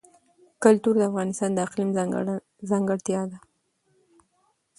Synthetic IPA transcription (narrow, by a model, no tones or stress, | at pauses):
kʊlt̪uɾd̪əafɣɑnɪst̪ɑnd̪əɪqlim | zɑŋɡəɽt̪jɑd̪a